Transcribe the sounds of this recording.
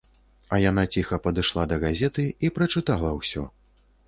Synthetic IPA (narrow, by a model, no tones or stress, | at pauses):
ɐjan̪at͡sʲixɐpɐd̪ɨʂlˠad̪ɐɣazʲɛt̪ɨipɾɐt͡ʂɨt̪alˠɐwsʲɔ̰